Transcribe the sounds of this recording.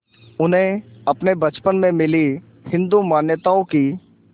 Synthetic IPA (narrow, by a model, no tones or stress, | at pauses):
ʊnɦẽɐpnebɐt͡ʃpənmẽmɪli | hɪ̃nd̪umaːnjət̪aõki